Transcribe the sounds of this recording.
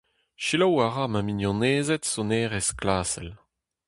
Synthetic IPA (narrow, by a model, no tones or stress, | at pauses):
ʃilɔwaʁamaminjɔ̃neːzɛtsoneːʁɛsklaːsɛl